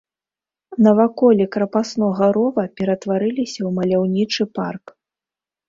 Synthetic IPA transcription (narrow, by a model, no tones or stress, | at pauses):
nɐvakɔlʲɛkɾɐpasnɔɣɐɾɔvɐpʲɛɾɐt̪vaɾɨlʲisʲɐwmɐlʲawnʲit͡ʂɨpa̰rk